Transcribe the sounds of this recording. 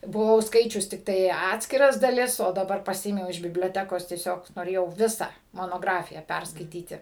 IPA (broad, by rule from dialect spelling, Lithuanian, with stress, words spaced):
bʊˈʋɐʊ ˈskɐɪt͡ʃʲʊs tʲɪkˈtɐɪ ˈɑːtʲsʲkʲɪrɐs dɐˈlʲɪs oː dɐˈbɐr pɐˈsʲɪeːmʲɛʊ ɪʃ bʲɪbʲlʲoːˈtʲæːkoːs tʲiɛˈsʲoːk noːˈrʲeːjɛʊ ˈʋʲɪsɑː moːnoːˈɡrɑːfʲɪjæː ˈpʲɛrskɐɪtʲiːtʲɪ